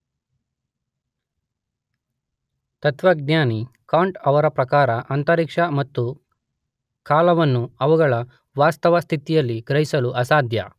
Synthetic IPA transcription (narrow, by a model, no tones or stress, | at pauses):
t̪ɐt̪ʋɐɡnjaːnikaːɳʈɐʋɐɾɐpɾɐkaːɾɐʔɐnt̪ɐɾikʂɐmɐt̪ːu | kaːlɐʋɐnːuɐʋuɡɐɭɐ | ʋaːst̪ɐʋɐst̪ʰit̪ijɐlːiɡɾɐɦisɐluʔɐsaːd̪ʱjɐ̰